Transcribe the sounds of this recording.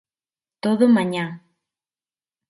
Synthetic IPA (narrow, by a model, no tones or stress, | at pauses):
t̪oðomaɲa